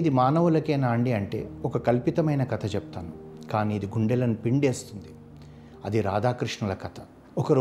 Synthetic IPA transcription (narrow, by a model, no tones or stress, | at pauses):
id̪imaːnɐʋulɐkeːnaːɳɖiɐɳʈe̞̰ːɔkɐkɐlpit̪ɐmɐjnɐkɐt̪ʰɐt͡ʃɛput̪aːnukaːniːd̪iɡuɳɖɛlɐnupiɳɖeːst̪und̪i | ɐd̪iɾaːd̪aːkɾiʂɳɐlɐkɐt̪ʰɐ̥ | ɔkɐɾ